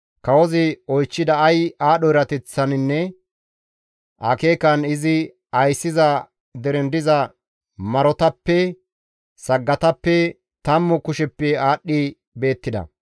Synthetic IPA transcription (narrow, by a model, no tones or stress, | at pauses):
kɐwɔzɪɔjt͡ʃːɪd̪ɐːjaːɗɔɪɾɐt̪ɛt͡sːɐnɪnːɛ | ʔake̞ːkɐnɪzɪ | ɐjsːɪzɐ | d̪ɛɾɛnd̪ɪzɐ | mɐɾɔt̪ɐpːɛ | sɐɡːɐt̪ɐpːɛ | t̪ɐmːɔkʊʃɛpːɛaːɗːɪ | be̞ːt̪ːɪd̪ɐ̰